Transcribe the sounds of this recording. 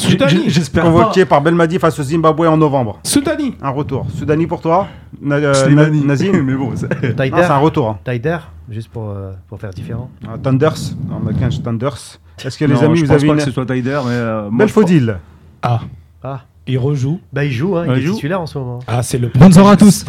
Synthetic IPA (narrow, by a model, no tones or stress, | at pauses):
syd̪aniʒɛspɛʁkɔ̃vɔkepaʁbɛlmad̪ifasozĩmbabwɛɑ̃nɔvɑ̃bʁsud̪aniɛ̃ʁət̪uːʁsyd̪anipuʁt̪wa | nananinazimɛbɔ̃st̪ajd̪ɔ̃sɛt̪ɛ̃ʁət̪uʁɛ̃t̪ajd̪ɛʁʒyst̪̚puʁøpuʁfɛʁd̪ifeʁɑ̃at̪ɑ̃nd̪œʁsɑ̰̃makɛ̃ʒt̪ɑ̃nd̪œʁs | ɛskəlezamivuzaveak̪əsəswat̪ajd̪ɛʁmɛømbɛlfod̪il | a | a | ilʁəʒubailʒuɛ̃ilɛʒtuitylɛʁɑ̃smɔmɑ̃asɛləpχɔ̃zɔʁat̪us